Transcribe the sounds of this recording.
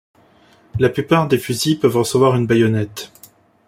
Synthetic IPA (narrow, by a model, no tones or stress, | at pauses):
laplypaʁd̪efyzipœvʁəsəvwaʁynbajɔnɛt̪